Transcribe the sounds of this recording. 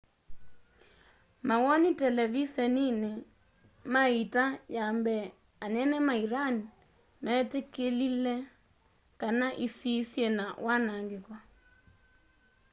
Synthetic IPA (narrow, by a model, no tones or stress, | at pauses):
mawɔnitɛlɛvisɛnine | maitajambɛ | anɛnɛmaiɾani | mɛtekelilɛ | kanaʔisisjɛnawʔanaŋɡekwa